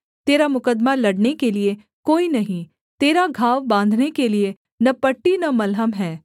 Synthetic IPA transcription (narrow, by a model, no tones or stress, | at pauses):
t̪eːɾamʊkəd̪malɐɽnekelie | koːinɐɦĩ | t̪eːɾaɡʱaːʋbãːnd̪ʱnekelie | nɐpəʈːinɐmɐlɦəmɦɛː